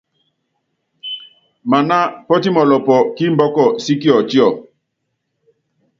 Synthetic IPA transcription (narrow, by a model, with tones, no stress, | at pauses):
ma˨na˦pɔ˦ti˦mɔ˨lɔ˨pɔ˨ki˦mbɔ˦kɔ˦˨si˦ki˦ɔ˨ti˦ɔ˨